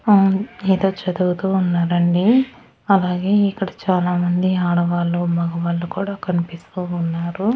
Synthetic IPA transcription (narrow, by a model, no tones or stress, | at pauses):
eːd̪o̞ːt͡ʃɐd̪uɡut̪uːunːaːɾɐɳɖi | ɐlaːɡe̞ːikːɐɽɐt͡ʃaːlaːmɐnd̪iaːɽɐʋaːlːumɐɡɐʋaːɭːukuːɽaːkɐnipist̪uːnːaːɾu